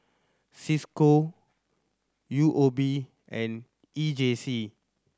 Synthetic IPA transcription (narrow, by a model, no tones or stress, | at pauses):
sisko | juʔobi | ʔɛ̃n | id͡ʒesi